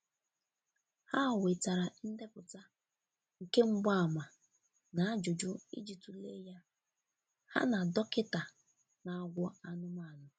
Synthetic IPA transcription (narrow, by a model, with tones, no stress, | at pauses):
ha˦˨we˨ta˨ɾa˨n̩˦de˦pʊ˨ta˦ | ŋ̩˨ke˦ŋ͡m̩˦ɡ͡ba˦a˨ma˨ | na˨a˦d͡ʒʊ˨d͡ʒʊ˦ḭ˦d͡ʒi˨tu˨le˦ja˦ | ha̰˦na˨dɔ˦kɪ˦ta˨ | na˨˦ɡʷʊ˦a˦nʊ˦m˦a˦˨nʊ˨